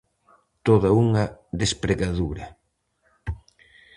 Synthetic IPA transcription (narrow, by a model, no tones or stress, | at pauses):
t̪oðɐuŋɐðespɾeɣaðuɾɐ